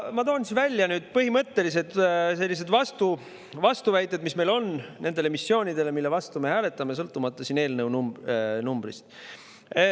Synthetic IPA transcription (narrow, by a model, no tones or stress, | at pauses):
mɑt̪o̞ːnsinvælʲːjɑnyːd̪̥̚pɤɦimɤt̪ːe̞lis̬e̞d̪se̞lːis̬e̞d̪vɑst̪u | vɑst̪uvæjt̪ˑːe̞d̪misme̞jlo̞nne̞nd̪e̞le̞misːjo̞ːnʲid̪e̞le̞milːe̞vɑst̪ume̞hæːle̞t̪ːˑɑmes̬ɤlt̪ːˑumɑt̪ˑːɑsiːne̞ːlnɤwnumnumbrḭst̪